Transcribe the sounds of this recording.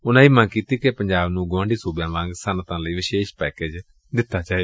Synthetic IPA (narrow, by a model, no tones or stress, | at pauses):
ʊnãːiːmə̃ːkiːt̪iːkepəɲd͡ʒaːbnũːɡʊʋãːɳɖiːsoːbjãːʋãŋɡsant̪ãːləiːʋɪʃeːʃpɛːkeːd͡ʒ | d̪ɪt̪ːaːt͡ʃaːeː